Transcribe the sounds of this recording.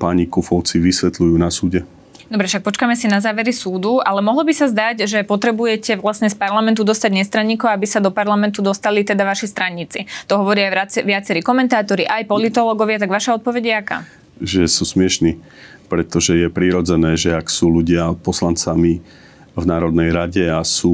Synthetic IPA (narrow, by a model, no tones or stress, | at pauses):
paːɲikufɔʊt͡siʋisʋɛt̪lujuːnasuːɟɛ | d̪ɔbɾɛfʃak̚pɔt͡ʃkamɛsinazaːʋɛɾisuːd̪uʔalɛmɔɦlɔbisazd̪aɟʒɛpɔt̪ɾɛbujɛcɛʋlasɲɛspaɾlamɛnt̪ud̪ɔst̪aɟɲɛst̪ɾaɲːiːkɔʊabisad̪ɔpaɾlamɛnt̪ud̪ɔst̪alit̪ɛd̪aʋaʃist̪ɾaɲit͡sit̪ɔɦɔʋɔɾiajaʋɪat͡sɛɾiːkɔmɛnt̪aːt̪ɔɾiʔajpɔlit̪ɔlɔːɡɔʋɪat̪aɡʋaʃaɔt̪̚pɔʋɛɟɛaka̰ː | ʒɛsuːsmɪɛʃniː | pɾɛt̪ɔʒɛjɛpɾiɾɔd͡zɛnɛːʒɛaksuːluɟɪapɔslant͡sami | vnaːɾɔd̪nɛjɾaɟɛasuː